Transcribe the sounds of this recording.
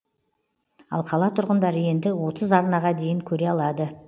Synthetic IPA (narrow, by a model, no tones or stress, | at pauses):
ɑ̰lˠqʰɑlˠɑt̪ʰʊɾʁənd̪ɑɾəje̞nd̪ɪwo̞t̪əzɑɾnɑʁɑd̪e̞jɪŋkʲʰɵɾe̞ɑlˠɑd̪ə